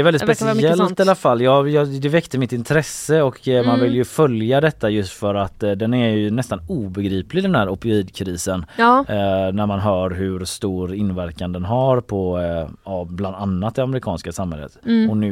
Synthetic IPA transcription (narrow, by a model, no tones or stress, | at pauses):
ɛɾvɛlɪspɛsɛlt̪ːalːafalːjɑːjɑd̪ɛvɛkt̪əmɪt̪ːɪnt̪ʰɾɛsːəɔkmanvɪljɵfœljad̪ɛt̪ʰːajɵst̪fœɾat̪ːd̪ɛnæɾjɵnɛst̪anuːbɛɡɾiːplɪd̪ɛnhæːɾɔpːɪiːd̪kʰɾiːsən | næɾmanɦœːɾɦɵɾst̪uːɾɪnːvæɾkand̪ɛnɦaɾpʰɔɑbland̪anːat̪̚d̪ɛamɛɾɪkʰɑ̰ːnskasamhɛ̰lːə̰t̪ɔnʉ̟